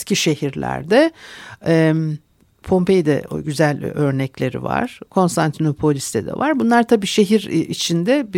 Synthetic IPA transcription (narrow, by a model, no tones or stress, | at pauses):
cʰiʃe̞hiɾlʲæ̰ɾd̪ɛ | ɛ | pʰo̞mpejd̪ɛ̰ɟyzælʲø̞ɾnɛclʲe̞ɾḭva̰ɾ̥kʰo̞nst̪ʰant̪ʰinopʰo̞lʲist̪ʰɛd̪ɛ̰vaɾbunlˠaɾt̪ʰabiːʃe̞ɦiɾit͡ʃʰind̪ɛb